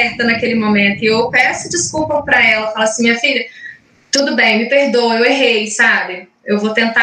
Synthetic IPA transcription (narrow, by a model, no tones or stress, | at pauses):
ɛɾt̪ɐnɐkelɪmõmẽnt̪ʊɪewpɛsʊd͡ʒiskupɐpɾɐɛlɐfalɐsĩmĩɲɐfiʎɐ | t̪ud̪ʊbẽj̃mɪpehd̪oweweɦejsabɪ | ewvot̪ẽnt̪a